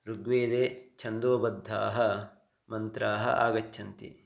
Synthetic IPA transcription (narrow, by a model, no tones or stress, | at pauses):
ɾuɡʋeːd̪eːt͡ʃʰɐnd̪oːbɐd̪ʱːaːɦɐ | mɐnt̪ɾaːɦɐ̰ʔa̰ːɡɐt͡ʃːʰɐnt̪ḭ